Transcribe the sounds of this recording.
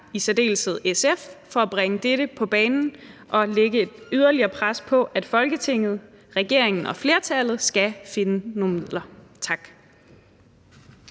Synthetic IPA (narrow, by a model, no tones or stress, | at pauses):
isɛde̝̰ːlsəð̞̩ˠeseffɒ̽æb̥ʁeŋəd̥eɾəpʰɒ̽b̥ɛːnn̩ʔɒ̽leɡ̥əe̝d̥yð̞ˠɐliɐːpʰʁaspʰɒ̽ʔæd̥fɒ̽lɡ̥ət͡sʰe̝ŋ̰ð̞̩ˠ | ʁɛɡ̥e̝̰ɐeŋn̩ɒ̽fle̝ɐt͡sʰælð̞̩ˠsɡ̥æfe̝nəno̝ːn̩mið̰ˠlɐt͡sʰɑ̈ɡ̥